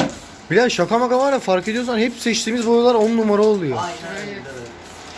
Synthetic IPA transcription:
bilʲazʃakʰamakamalafaɾked̪ijoɾsanhɛpsɛt͡ʃt̪ʰiːmizboɾulˠaɾonnumaɾaolˠujo

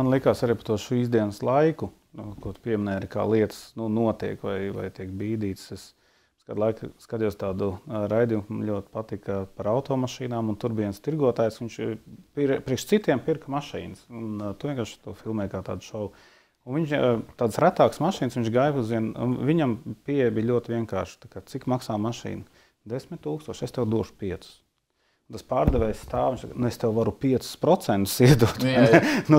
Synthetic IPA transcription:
manlˠikaːsaɾiːpɐ̥t̪uɔʃiizd̪iɛnəslˠajku | kuɔt̪u̥piɛmɪnɛːaɾika̰ːlˠiɛt̪ə̥snunuɔt̪iɛkvajva̰jt̪iɛk̚biːd̪iːt̪ses | skaːd̪lˠajkskad̪juɔst̪aːd̪uɾajd̪ijumʎʲuɔt̪pat̪ikɐpaɾawʊt̪ɔːmaʃiːnaːmunt̪uɾbiɛnst̪iɾɡuɔt̪aːjsʋiɲʃpiɾpɾiɛkʃt̪sit̪iɛmpiɾkmaʃḭːnsunt̪uʋiɛŋkaːɾʃḁt̪uɔfilˠmɛkaːt̪a̰ːd̪ʃɔl | unviɲʃt̪aːd̪sɾæt̪aːksmaʃiːnsʋiɲt͡ʃɡaːjpuziɛnṵnviɲampiɛɛjbiːlʎʲuɔt̪ɪʋiɛŋka̰ːɾʃt̪akaːt̪sikmaksaːmaʃḭːnɐ | d̪esmʲɪt̪ʲt̪uːkst̪uɔʃest̪ɛwd̪uɔʃʊ̥piɛt̪su̥s | unt̪aspaːɾd̪ɛʋɛjsst̪aːviɲt͡ʃsa̰knuest̪ɛwʋaɾupiɛt̪su̥spɾɔt̪sɛnt̪ʊ̥siɛd̪uɔt̪nnu

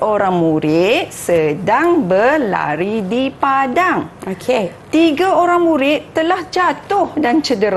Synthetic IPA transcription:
ʔoɾaŋmũɾɪt̪̚sədaŋbərla̰ɾidipadaŋokʰet̪iɡaoɾaŋmũɾɪt̪t̪ːəlahd͡ʒat̪ʊhdant͡ʃədəɾa

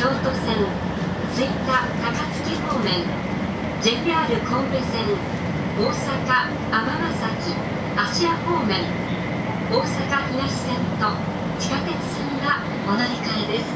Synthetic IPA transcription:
o̞ːt̪o̞sẽ̞ŋ | t͡sɨit̪ak̪akat͡sɨ̥keho̞ːmẽ̞ŋ | d͡ʑe̞piaɾɯ̟kõmbesẽ̞ŋ | oːsakaː | mamasakʲi | aɕiako̞ːmẽ̞ŋ | oːsakaçinaɕi̥sẽnt̪o̞ | t͡ɕi̥kat̪e̞t͡sɨ̥sẽŋɡa | onaɾʲikaed̪e̞sɨ̥

